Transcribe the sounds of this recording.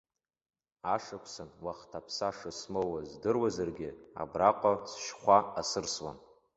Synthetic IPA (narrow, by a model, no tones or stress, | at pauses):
aʂakʷʰsanwaχtʰapʰsaʂɨsmowazdɨrwazarɡʲɪa̰braqʷʼasʃχʷaasɨrswa̰n